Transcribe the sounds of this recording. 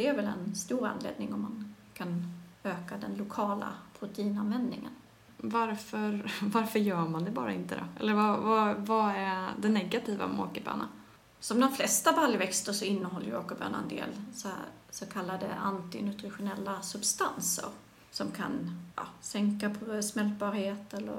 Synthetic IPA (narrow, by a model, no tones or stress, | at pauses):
d̪̥ɛæɾvɛlɛ̰nst̪uːɾa̰nlḛːd̪̚nɪŋɔmːan | kʰanøːkad̪ɛnlʊkʰɑːla̰pʰɾʊt̪ɛiːnanvɛnd̪nɪŋə̰n | vaɾfœɾvaɾfœɾjœːɾmand̪ɛbɑːɾaɪnt̪əd̪ɔ̰ɛ̰lːəɾvavavaæd̪ɛnɛɡat̪ʰiːva̰mo̰ːkəbœ̰ːna̰ | sɔmd̪ɔmflɛst̪abaljvɛkst̪əʂɔɪnːəɦɔlːəjoːkəbœ̰ːna̰nd̪ḛːlssɔkʰalːad̪ə̰ʔant̪ɪ̰nɵt̪ɾɪɧʊnɛlːasɵbst̪ansə̰ɾ | sɔmkʰa̰njɑ̰ːsɛŋkapʰsmɛlt̪̚bɑːɾheːt̪ɛlːə̰ɾ